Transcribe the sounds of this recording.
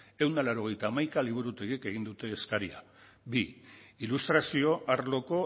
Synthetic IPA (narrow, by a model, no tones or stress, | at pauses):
e̞wnd̪alaɾo̞ɣe̞jt̪aːmajkaliβ̞uɾut̪eɣike̞ɣind̪ut̪e̞ːskaɾia̰ | biilust̪ɾasio̞ʔaɾlo̞ko̞